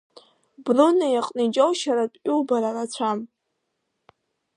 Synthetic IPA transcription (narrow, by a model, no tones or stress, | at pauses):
brunajaqʼnid͡ʒʼowʃaɾatʼʲulbaɾalat͡ɕʷʰam